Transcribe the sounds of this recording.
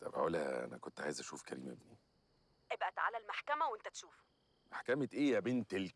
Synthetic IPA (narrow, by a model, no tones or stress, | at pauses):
t̪æbħæ̰ʔulæ̰ʔæ̰næ̰kont̪ʕa̰ːjezʔæʃuːfkæɾiːmæ̰bniː | ʔebʔæt̪ʕa̰lælmaħkæmæwent̪æt̪ʃuːf | maħkæmet̪ʔeːjæbent̪el